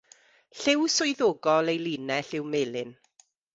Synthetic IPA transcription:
ɬɪwsʊjðoːɡɔlˠejliːnɛɬɪwmeːlˠɪn

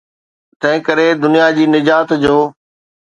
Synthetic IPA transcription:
t̪ɐ̃ɦɪ̃kəɾed̪ʊnijad͡ʑiːnɪd͡ʑaːt̪d͡ʑoː

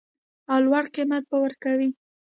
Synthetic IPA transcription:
awlwaɽqimat̪̚bawəɾkawi

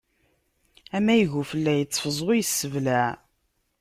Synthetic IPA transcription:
æmæjəʝufəlːæjət͡sːfəzˤojəsːəvlæ

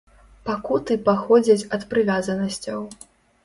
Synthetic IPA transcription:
pakut̪ɨpaxɔd͡zʲɐt͡sʲɐt̪pɾɨvʲazɐnɐsʲt͡sʲɐw

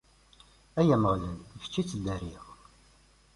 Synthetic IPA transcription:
æjæməʁlənft͡ʃːit͡sːəd̪ːæɾiʁ

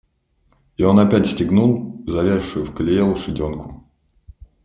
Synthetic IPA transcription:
io̞nɐpʲætʲsʲtʲɪɡnulˠzɐvʲeʂʊjʊfkəlʲɪjelˠʊʂɨdʲonkʊ̥

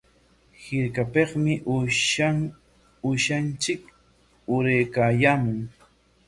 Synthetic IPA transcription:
hɪɾkapeχmɪʔa | ʊʃant͡ʃɪk | ʊɾejkaːjaːmʊŋ

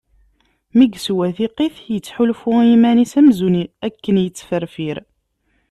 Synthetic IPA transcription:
miɡswæθiqiθjət͡sːħulfʊimænisæmzuniækːənjət͡sːfərfiɾ

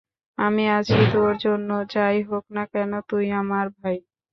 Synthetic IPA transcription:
amiat͡ɕʰit̪oɾd͡ʑonːot͡ɕajɦoknakɛnot̪ujamaɾbʱaj

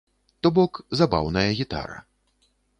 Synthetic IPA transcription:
t̪ɔbɔkzaba̰wnɐjɐɣʲit̪a̰ɾɐ̰

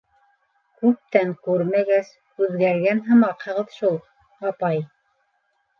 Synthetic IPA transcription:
kʉp̚t̪æŋkʉɾmæɡæs | ʉðɡæɾɡænɦɤ̆mɑqhɤ̆ʁɤ̆ðʃulˠ | ɑpɑj

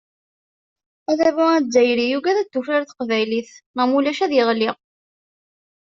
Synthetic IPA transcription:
æðævʊæzːæjɾijuɡæðæd̪ːufɾaɾθə̥qvæjliθmæmulæʃæðjɪʁliʁ

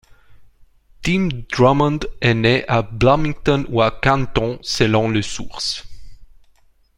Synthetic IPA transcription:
t̪imd̪ʁɔmɔ̃nd̪ɛneʔablamĩŋt̪ɔnuakãnt̪ɔ̃səlɔ̃ləsuʁs

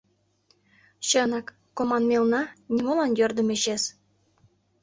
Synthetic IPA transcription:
ɕə̆nɑkːomɑnmʲelnɑnʲimolɑnjørd̪ə̆meɕes

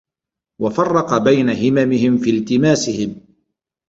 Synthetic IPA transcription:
wafɑrˤːɑqɑbajnaɦɪmamɪhɪmfiːlt̪ɪmaːsɪhɪm

